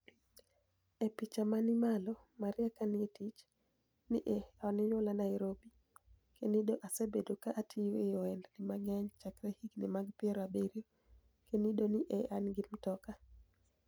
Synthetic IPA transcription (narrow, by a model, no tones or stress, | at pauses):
epit͡ʃamanɪmalɔmaɾɪakanɪetit͡ʃ | niʔeɔnɪjʊlanajɾobi | kenidoʔasebedokaʔːtʰiweɔɛndnɪmaɡɛɲt͡ʃakɾehiɡnɪ̰maɡpɪɛɾabeɾio | kenidoniʔeanɡɪmtɔka